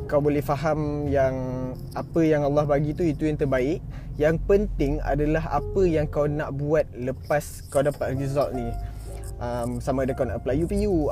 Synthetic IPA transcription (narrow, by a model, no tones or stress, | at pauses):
kawbolɛhfaɦamjaŋ | apəjaŋalːɑhbaɡit̪uit̪ujaŋt̪ərbaɪʔ | jaŋpənt̪ɪŋa̰dalaɦa̰pəjaŋkawnaʔbuat̪̚ləpas | kawdapat̪rɡizɔlni | ʔəmsamadakanaʔplajupiu